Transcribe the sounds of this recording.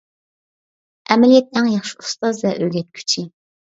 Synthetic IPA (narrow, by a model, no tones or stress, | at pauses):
ʔɛmɛlijɛt̪̚ːɛŋjɑχʃiust̪ɑzvɛʔøɡʲɛt̪̚kʲʰy̥t͡ʃʰi